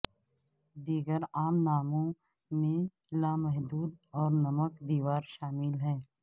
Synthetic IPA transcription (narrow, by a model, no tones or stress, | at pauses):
d̪iːɡəɾaːmnaːmõ | mẽ | laːmɛɦd̪uːd̪ɔːɾnɐməkd̪iːʋaːɾʃaːmɪlɦɛː